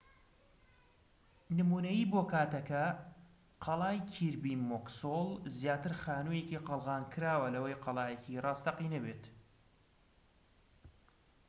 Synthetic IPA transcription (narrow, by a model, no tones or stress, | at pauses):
nɨmuːnɐjiboːkʰaːt̪ɐkɐ | qʰɑlˠɑːjkʰiɾbimoksolˠzjaːt̪ɨɾxaːnujeciqəlˠɣɑːnkʰɨɾaːwɐlɐwɐjqɑlˠɑːjecʰirɑːst̪ɐqinɐbeːt̪